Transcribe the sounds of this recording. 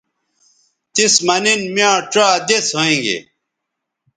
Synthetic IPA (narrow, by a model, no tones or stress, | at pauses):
t̪ismɐninmjãːʈ͡ʂaːd̪eshoẽːŋɡḛ